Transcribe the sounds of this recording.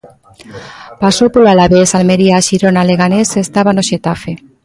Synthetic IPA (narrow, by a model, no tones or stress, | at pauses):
pasopolalaβesalmeɾiaʃiɾonaleɣanesest̪aβanoʃet̪afe